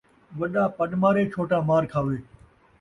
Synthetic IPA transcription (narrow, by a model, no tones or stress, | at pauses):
ʋɐɗãːpəɗmaːɾeːt͡ʃʰoːʈaːmaːɾkʰaːʋeː